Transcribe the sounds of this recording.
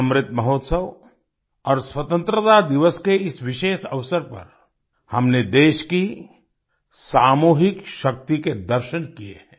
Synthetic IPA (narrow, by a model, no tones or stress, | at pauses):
ɐmɾɪt̪mɐɦoːt̪səʋ | ɔːɾswɐt̪ə̃nt̪ɾət̪ad̪ɪʋəskeɪsʋɪʃeːʃɐʋsəɾpɐ̰ɾ | hɐmned̪eːʃki | saːmuːɦɪkʃɐk̚t̪iked̪ɐɾʃənkiḛɦɛ̃ː